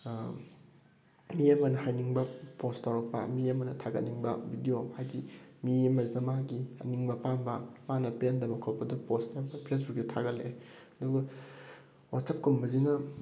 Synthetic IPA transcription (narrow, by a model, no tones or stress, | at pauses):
miɐmɐnɐhajniŋbɐpostawɾɐk̚pɐ̰miɐmɐnɐtʰaɡɐ̰tnːiŋbɐ̰bʱidijohajdimiɐmɐzɐmaɡiɐ̰niŋbɐpanbɐmanɐpendɐmɐkʰopɐdɐposnabɐpʰes̬buk̚dɐtʰaɡɐtlːeɐduɡɐ | watsɐp̚kumbɐzinɐ